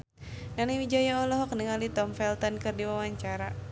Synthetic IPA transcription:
nanawid͡ʒajaɔlɔɦɔk̚nəŋalit̪ɔmfɛlt̪ɔnkɨrdiwawaɲt͡ʃaɾa

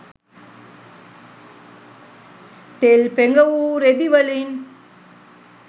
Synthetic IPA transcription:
t̪elpeŋɡɐʋuːɾed̪iʋɐlin

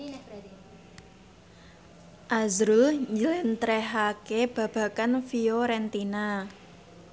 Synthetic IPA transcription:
ʔazɾʊlɲd͡ʒəlɪnt̪ɾɛɦakeb̥ä̤b̥ä̤kanfioɾɛnt̪ina

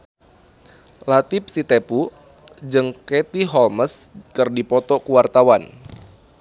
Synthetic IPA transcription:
lat̪ɪp̚sit̪epu | d͡ʒɨŋket̪iɦɔlməskɨrdipɔt̪ɔkuwart̪awan

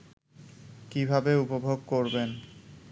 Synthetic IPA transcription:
kibʱabeupobʱoɡ̚koɾben

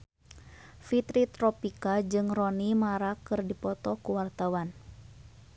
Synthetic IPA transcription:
fit̪ɾit̪ɾɔpikad͡ʒɨŋrɔnimaɾakɨrdipɔt̪ɔkuwart̪awan

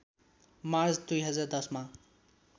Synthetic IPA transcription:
mard͡zd̪ujɦʌd͡zard̪ʌsma

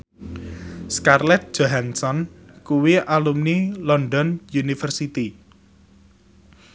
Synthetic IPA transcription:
skarlɛt̪̚d̥ʒ̥oɦansɔnkuwiʔalumnilɔnɖɔnjunifərsit̪i

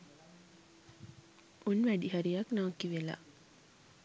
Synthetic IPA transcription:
unʋæɖiɦɐɾijɐknaːkiʋela̰

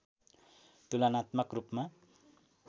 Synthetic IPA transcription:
t̪ulanat̪mʌkrupma

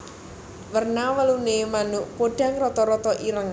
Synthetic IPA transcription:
wərnawəlunemanʊʔpoɖ̥a̤ŋrɔt̪ɔɾɔt̪ɔʔiɾəŋ

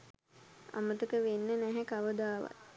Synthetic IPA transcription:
a̰mət̪əkəʋenːənæɦækaʋəd̪aːʋa̰t̪̚

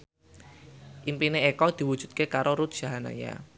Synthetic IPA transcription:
ʔimpineekɔd̪̥i̤wud̥ʒ̥ṳt̪̚kekaɾoɾut̪̚d̥ʒ̥a̤ɦana̰ja̰

